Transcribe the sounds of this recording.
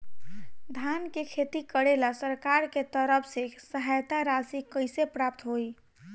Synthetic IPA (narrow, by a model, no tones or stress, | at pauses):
d̪ʱankekʰet̪ikəɽelasəɾkaɾket̪əɾəpʰsesəɦajt̪aɾasikəjsepɾap̚t̪ɦoj